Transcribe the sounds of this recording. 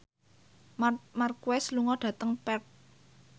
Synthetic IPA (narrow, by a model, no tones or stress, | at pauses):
markuwɛsluŋɔɖ̥ä̤t̪əŋpɛk̚